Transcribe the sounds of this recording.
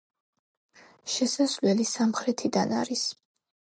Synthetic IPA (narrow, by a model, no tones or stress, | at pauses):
ʃɛsasvlɛlisamχɾɛt̪ʰid̪ana̰ɾis